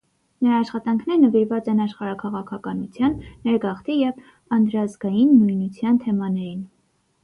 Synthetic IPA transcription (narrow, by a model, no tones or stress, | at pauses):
nəɾɑːʃχɑt̪ɑŋkʰnɛɾnəviɾvɑt͡sɛnɑʃχɑɾɑkʰɑʁɑkʰɑkɑnut͡sʰjɑnːɛɾɡɑχt̪ijɛv | ɑnd̪ɾɑzɡɑjinːujnut͡sʰjɑnt̪ʰɛmɑnɛɾin